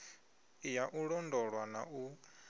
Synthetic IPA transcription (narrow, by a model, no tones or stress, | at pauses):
ijaʔuɺɔndɔɺwana̰ʔu